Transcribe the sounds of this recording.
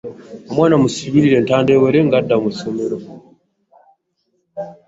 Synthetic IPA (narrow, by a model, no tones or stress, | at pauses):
omwaːnamusiβiɾiɾe̞ntaːndeːweɾeŋɡadːamuso̞me̞ɾo̞